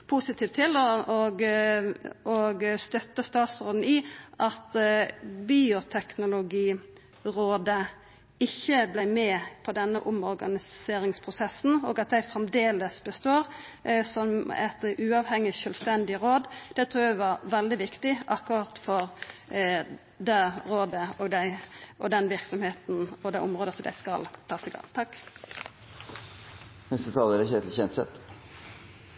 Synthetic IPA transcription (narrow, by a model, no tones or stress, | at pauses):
pʰusɪt̪ʰiːʋt̪ʰːɪlːɔɔɡ | ɔɡst̪œt̪ːəst̪ɑːt̪sʁoːd̪n̩ɪʔɑt̪ | biːʊt̪ʰɛknʊlʊɡiː | ɾoːd̪ə | ɪçːəblæɪmɛpʰɔd̪ɛnːəʔʊmɔɾɡɑ̰nɪseːɾɪŋspʰʁʊsɛsːn̩o̰ːɡɑt̪̚d̪æɪfɾɛmd̪eːləsbəst̪oːɾ | sɔmɛ̰t̪ʉːɑʋhɛŋːɪʃœːlst̪ɛnd̪ɪɾoːd̪d̪̥ɛt̪ʰɾuːɾæɪʋɑɾʋɛld̪ɪʋɪkt̪ɪʔɑkːʊɑt̪fɔɾ | d̪æɾoːd̪əɔːɡd̪æɪʔɔd̪ɛnʋɪɾksɔmheːt̪n̩ɔd̪æɪʔʊmʁoːd̪əsɔmd̪æ̰ɪskɑ̰lt̪ʰɑːsɛɪɡɑ̰ŋt̪ʰɑkː | nɛst̪ət̪ʰɑːləɾɛçeːt̪l̩çɛnt̪sɛ̰t̪